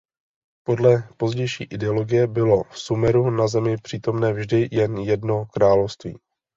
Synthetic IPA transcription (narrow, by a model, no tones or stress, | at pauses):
po̞dlɛpo̞zɟɛjʃḭːʔɪdɛolo̞ɡɪjɛbɪlo̞fsumɛɾunazɛmɪpr̥iːt̪o̞mnɛːvʒdɪjɛnjɛdnokɾaːlo̞fst̪vḭː